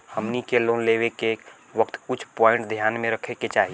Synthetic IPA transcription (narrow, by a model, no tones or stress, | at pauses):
həmnikeloːnleːʋeke | ʋəkt̪kʊt͡ʃʰpɔːɪ̃ɳʈd̪ʱjaːnmẽɾəkʰeket͡ʃaːɦi